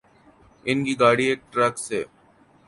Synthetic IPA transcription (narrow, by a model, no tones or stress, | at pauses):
ɪnkiɡaːɽieːk̚ʈɾɐkseː